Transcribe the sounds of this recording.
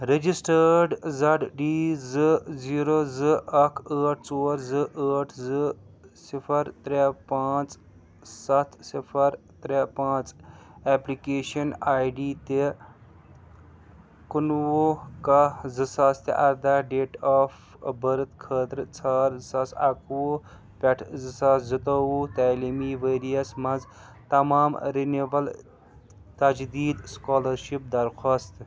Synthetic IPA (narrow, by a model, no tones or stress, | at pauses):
ɾed͡ʒisʈəɾɖzɐɖɖiːzɨziːɾozɨɐkʰəːʈʰt͡soːɾzɨʔəːʈʰzɨ | sipʰɐɾt̪ɾɛpaːt͡s | sɐt̪ʰsipʰɐɾt̪ɾɛpãːt͡sɛːplikeːʃɐnaːjɖiːt̪e | kunwoːkɐzɨsaːst̪ḛʔɐɾd̪aːɖeːʈaːf | bəɾt̪kʰəːt̪ɾt͡sʰaːɾzɨsaːsɐkwo | pʲɐʈʰzɨsaːszɨt̪oːwuːt̪aːlimiːʋeːɾijɐsmɐnz | t̪ɐmaːmɾinebɐl | t̪ɐd͡ʒd̪iːd̪skaːlɐɾʃip̚d̪ɐɾxʰaːst̪